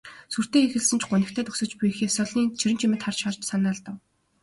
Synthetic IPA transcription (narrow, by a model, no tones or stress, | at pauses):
sur̥t̪eːexɘ̆ɮsɘ̆nt͡ɕʰɢʊnɪ̆kt̪ʰæːt̪ʰɵksɵ̆t͡ɕpujxeːsɔɮiːnt͡ɕʰiɾɘ̆nt͡ɕʰimɘ̆t̪ʰχart͡ɕχart͡ɕsanaːɮt̪ə̆w